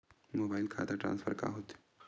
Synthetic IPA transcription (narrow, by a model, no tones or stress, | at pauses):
moːbaːɪlkʰa̰ːt̪aʈɾã̰ːnsfʰəɾka̰ɦoːt̪